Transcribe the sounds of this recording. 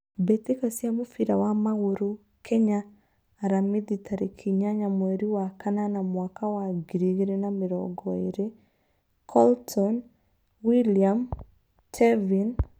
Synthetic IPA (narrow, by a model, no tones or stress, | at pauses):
bet̪ekasjamofiɾawamaɣoɾo | kʰɛɲaː | ɾamiditʰaɾikʰiɲaɲamwɛɾiwakananamwakawaɡiɾiɣeɾenameɾɔɡɔeɾe | kʰɔltʰɔn | wiliam | tʰɛvin